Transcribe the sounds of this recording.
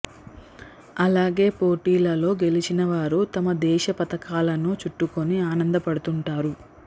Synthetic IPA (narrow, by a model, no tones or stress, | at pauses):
ɐlaːɡe̞ːpo̞ːʈiːlɐlo̞ːɡe̞lit͡ʃinɐʋaːɾut̪ɐmɐd̪ɛːʃɐpɐt̪ɐkaːlɐnut͡ʃuʈːuko̞niaːnɐnd̪ɐpɐɽut̪uɳʈaːɾu